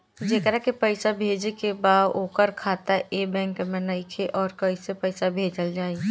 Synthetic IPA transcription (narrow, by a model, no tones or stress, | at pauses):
d͡ʒeːkɾakepəɪsabʱeːd͡ʒekebaːoːkəɾkʰaːt̪aebɛ̃ːŋkmɛ̃naikʰeʔɔːɾkɐisepɛɪsabʱeːd͡ʒəld͡ʒaːi